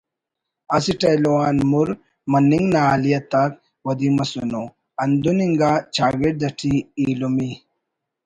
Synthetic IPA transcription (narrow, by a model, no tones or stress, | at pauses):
ɐsiʈɐjlowaːnmuɾ | mɐnːiŋɡnaːlijɐt̪ak | wɐd̪imɐsuno | ɐnd̪uniŋɡat͡ʃʰaːɡeʈ̚d̪ɐʈʰiːlumi